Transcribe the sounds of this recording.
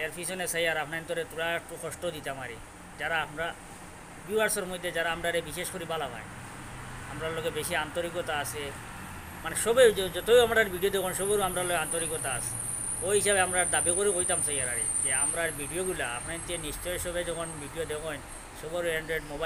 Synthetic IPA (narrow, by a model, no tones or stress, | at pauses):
aɾpʰisonesajaɾapnaent̪oɾet̪uɽaʈokɔʃʈod̪it̪amaɾḭ | d͡ʑaɾaamɾa | buaɾsoɾmojd̪ʱːed͡ʑaɾaamɾaɾebiʃeʃkoɾibalaba̰jn | a̰mɾaɾloɡebeʃiant̪oɾikot̪aasʰe | maneʃɔbewd͡ʑɔt̪ewamaɽɾaɾbʱiɖiod̪ekʰonʃɔbeoamɾaɾloɡeant̪oɾikot̪aa̰sʰe | oɦiʃabeamɾaɾd̪abikoɾekojt̪amsajaɾa̰ɾḭ | d͡ʑeamɾaɾbʱiɖioɡulaa̰pnaint̪ieniʃt͡ʃɔjʃɔbed͡ʑɔkʰonbʱiɖijod̪ekʰɔjn | ʃɔboɾeɳɖɾeɖmoba